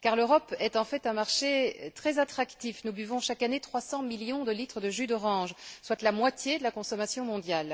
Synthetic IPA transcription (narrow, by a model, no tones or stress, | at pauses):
kaʁløʁɔpɛt̪ɑ̃fɛt̪ɛ̃maʁʃet̪χɛzat̪χakt̪ifnubyvɔ̃ʃakanet̪χwasɑ̃miljɔ̃d̪əlit̪χəd̪əʒyd̪ɔʁɑ̃ʒswat̪lamwat̪jed̪əlakɔ̃sɔmasjɔ̃mɔ̃d̪jal